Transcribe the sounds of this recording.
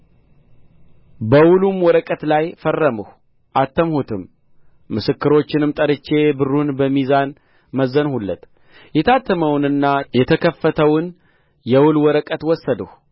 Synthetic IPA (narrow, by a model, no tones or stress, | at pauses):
bəwʊlumwɔɾəkʼət̪lajfərːəməh | ʔat̪ʰːəmhut̪ʰɨmː | ɨsɨkːɨɾo̞t͡ʃːɪnɨmt̪ʼəɾɨt͡ʃːe̞bɨrunbəmizan | məzːənhulːət̪ | jɛt̪ʰat̪ʰːəməwnɨnːajɛt̪ʰəkʰəfːət̪ʰəwʊn | jɛwʊlwɔɾəkʼət̪wɔsːəd̪əh